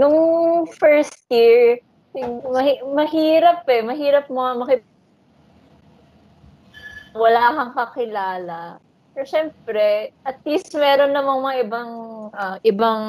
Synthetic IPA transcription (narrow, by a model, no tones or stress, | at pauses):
nʊŋfɛɹst̪jiɹ | sɪɡmɐhimɐɦiːɾɐp̚ɛmɐɦiːɾɐp̚moɐmɐkɪ | wɐlakɐŋkɐkɪlaːlɐ | pɛɾʃɛmpɾɛʔɐt̪̚list̪mɛːɾo̞nːɐmaŋmɐŋaʔɪbaŋʔɐʔɪbaŋ